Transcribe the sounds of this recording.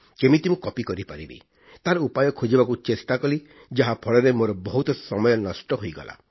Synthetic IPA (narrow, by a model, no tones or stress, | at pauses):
kemit̪imũkɔpikɔɾipaɾibḭ | t̪aɾɔupajɔkʰod͡ʒibakut͡ʃesʈakɔli | d͡ʒaɦapʰɔɭɔɾemoɾɔbɔɦut̪ɔsɔmɔjɔnɔsʈɔɦojɡɔ̰la̰